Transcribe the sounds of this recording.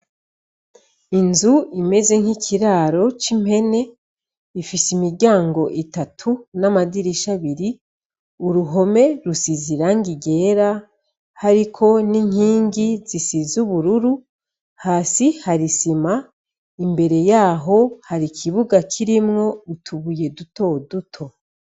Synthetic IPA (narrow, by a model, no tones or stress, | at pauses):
inzuime̞ze̞ŋ̥hikʰiɾaːɾo̞t͡ʃim̥he̞ne̞ | ifisimiɾɟaːŋɡo̞ʔitatʰunamadiɾiʃaβiɾi | uɾuɦo̞me̞ɾusiziɾaŋɡiɡe̞ːɾa | haɾikʰo̞niŋ̥iːŋɡizisizuβuɾuɾu | haːsihaɾisima | imbe̞ɾe̞jaːɦo̞haɾikʰiβuɡakʰiɾimŋo̞utʰuβuje̞duto̞ːdutʰo̞